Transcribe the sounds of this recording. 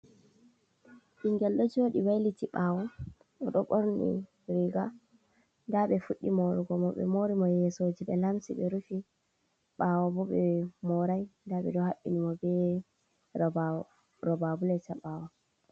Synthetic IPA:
ʔiŋɡɛlɗɔd͡ʒoɗiwajlitiɓawɔ | ɔɗɔɓɔɾnḭ | ɾiɡa | ndaɓɛfuɗːimoɾiɡɔmɔɓɛ̰moɾimɔjɛsod͡ʒiɓɛlamsiɓɛɾufi | ɓawɔbɔɓɛmɔɾajndaɓɛ̰dɔhaɓːḭnimɔbɛ | ɾɔbabulɛt͡ʃaɓaːwɔ

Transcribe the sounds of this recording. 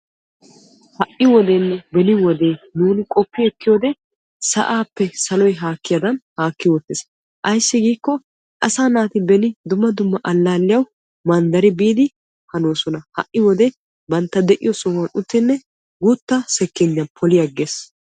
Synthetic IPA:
hɐʔɪwɔd̪eːnːɛbɛnɪwɔd̪e̞ːnuːnɪkʼɔpːɪɛkːɪjoːd̪ɛ | sɐ̰ʔaːpːɛsɐlɔjɦaːkːɪjad̪ɐnhaːkːɪwɔt̪ːɪːs | ʔɐjsːɪɡiːkːɔ | ʔɐsaːnaːt̪ɪbɛnɪd̪ʊmːɐd̪ʊmːɐʔɐlːaːlːɪjɐw | mɐnd̪ɐɾɪbiːd̪ɪ | hɐnoːsɔnɐhɐ̰ʔːɪwɔd̪ɛ | bɐnt̪ːɐd̪ɛʔɪ̰jɔsɔɐnʔʊt̪ːɪnːɛ | ɡut̪ːɐsɛkːɪɲːɐnpʰɔlɪjɐɡːeːs

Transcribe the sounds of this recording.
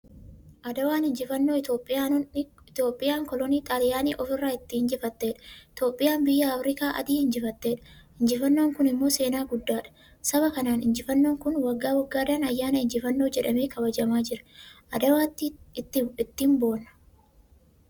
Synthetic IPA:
ʔɐd̪ɐwaːnhɪnd͡ʒɪfɐnːo̞ːɪt̪o̞ːpʼːɪjaː | ɪt̪oːpʼːɪjaːŋkɔlɔniːt̪ʼaːlɪjaːniːʔɔfɪrːaːɪt̪ːɪhɪnd͡ʒɪfɐt̪ːe̞ːᶑɐ̥ɪt̪o̞ːpʼːɪjaːnbɪjːɐɐfɾɪkaːʔɐ̰d̪iːhɪnd͡ʒɪfɐt̪ːe̞ːᶑɐ̥ | ɪnd͡ʒɪfɐnːo̞ːŋkʊnɪmːo̞ːse̞ːnaːɡʊd̪ːaːᶑɐ̥ | sɐβɐkɐnaːnɪnd͡ʒɪfɐnːo̞ːŋkʊnwɐɡːaːwɐɡːaːd̪aːnɐjːaːnɐɪnd͡ʒɪfɐnːo̞ːd͡ʒɛᶑɐmeːkɐbɐd͡ʒɐmaːd͡ʒɪɾɐ̥ʔɐd̪ɐwaːt̪ːiɪt̪ːɪɪt̪ːiːmbo̞ːnːɐ̥

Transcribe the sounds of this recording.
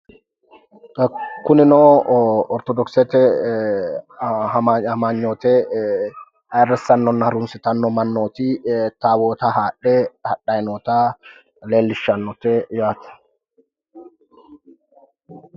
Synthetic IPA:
kʊnɪnoːɔɾt̪ɔd̪ɔksɛt̪ɛ | hɐahɐmaːɲːoːt̪eː | ɐrːɛsːɐnːɔnːɐhɐɾʊnsɪt̪ɐnːɔmɐnːoːt̪iːt̪aːwoːt̪aːhaːᶑːehɐᶑːɐjɪnoːt̪aː | leːlːɪʃːɐnːɔt̪eːjaːt̪ɐ̥

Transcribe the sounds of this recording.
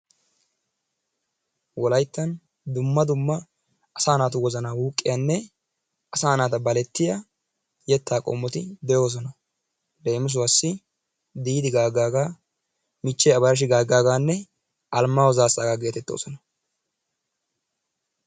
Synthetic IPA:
wɔlɐjt̪ːɐn | d̪ʊmːɐd̪ʊmːɐː | saːnaːt̪ʊwɔzɐnaːwuːkʼːɪjanːɛ | ʔɐsaːnaːt̪ɐbɐlɛt̪ːɪjɐ | jɛt̪ːaːkʼɔ̰mːɔt̪ɪd̪ɛjo̞ːs̬ɔnɐ | d̪ejmɪs̬ʊwasːɪ | d̪iːd̪ɪɡaːɡːaːɡaː | mɪt͡ʃːɛɐbɐɾɐʃ̬ɪɡaːɡːaːɡaːnːɛ | ʔɐlmːaːwɔzaːsaːɡaɡe̞ːt̪ɛt̪ːo̞̰ːsɔnɐ

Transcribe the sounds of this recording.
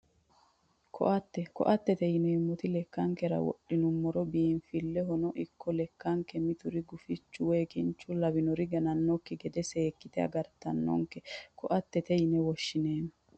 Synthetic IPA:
kʰɔ̰ʔɐt̪ːɛkɔ̰ʔɐt̪ːɛt̪ɛjɪnɛɪmːɔt̪ɪlɛkːɐŋkɛɾɐ̰wɔ̰ʔɪnʊmːɔɾɔbiːnfɪlːɛɦɔnɔʔɪkʰːɔlɛkːɐŋkɛmɪt̪ʊɾɪɡʊfɪt͡ʃːʊweːkɪnt͡ʃːʊlɐbɪnɔɾɪɡɐnɐnːɔkːɪɡɛd̪ɛseːkːɪt̪ɛɐ̰ɡɐɾt̪ɐ̰nːɔ̰ŋkɛkʰɔʔɐt̪ːɛt̪ɛjɪnɛwɔʃːɪneːnɔ

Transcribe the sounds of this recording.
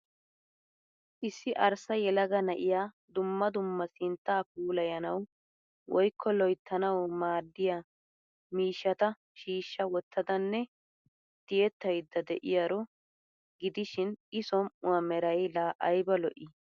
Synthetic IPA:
ʔɪsːɪʔɐɾsɐjɛlɐɡɐnɐʔɪjaː | d̪ʊmːɐd̪ʊmːɐsɪnt̪ːaːpuːlɐjɐnɐw | wɔjkʰːɔlɔjt̪ʰːɐnɐwmaːd̪ːɪja | miːʃːɐt̪ɐ | ʃiːʃːɐwɔt̪ːɐd̪ɐnːɛ | d̪̥ɪjɛt̪ːɐjd̪ːɐd̪ɛʔɪjɐɾɔ | ɡɪd̪ɪʃɪnʔɪsɔmʊwɐmɛɾɐjlaːʔɐjbɐlɔʔɪ

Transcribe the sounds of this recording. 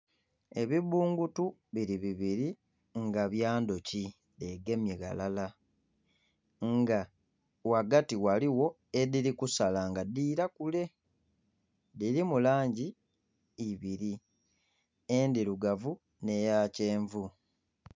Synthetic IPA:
e̞βiβuːŋɡutuβiɾiβiβiɾi | ŋɡaβjaːndoci | deɡe̞mjeɡa̰lala | ŋɡa | waɡatiwaliwo̞ | ediɾikusalaŋɡadiːɾakule̞ | diɾimulaːɲɟi | iβiɾi | endiɾuɡavu | ne̞jaːceːɱvu

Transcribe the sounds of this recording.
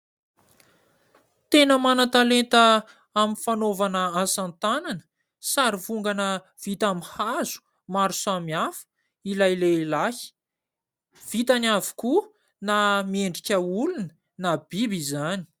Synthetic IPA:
t̪enəmanat̪alent̪ə | amifanovanəasant̪ananə̥ | saɾivuŋɡanə | v̥it̪amihazu̥ | maɾusamiafə̥ | ilajlelahi̥ | v̥it̪anavu̥ku | namieɳɖ͡ʐikʲəulunə̥ | nabibizani̥

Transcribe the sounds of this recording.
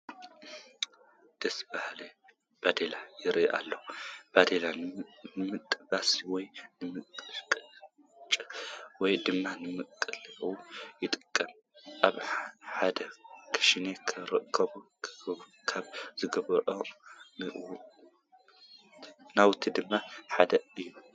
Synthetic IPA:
d̪̥ɐsbahle | b̥ad̪elajɪɾiʔa̰lːob̥ad̪elanɨmɨt̪ʼːɨbasiwɔjnɨmɨkʼkʼ | t͡ʃʼwɔjd̪ɨmːanɨmɨkʼɨliʔujɪt̪ʼɨkʼːɐm | ʔaβħad̪ɐkʰɐ̥ʃinekʰɨɾɨkʰːɐβukʰɨu | kʰaβzɨɡɐβʔonɨʔ | nawt̪ʰid̪ɨmːaħad̪ɐɨjːu

